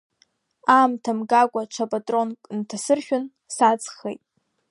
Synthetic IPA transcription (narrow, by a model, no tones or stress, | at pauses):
amtʰamɡakʷʼaʈ͡ʂʷʰapʼatʼro̞nkʼntʰasɨrʃʲᶣʊn | sat͡sʼχejtʼ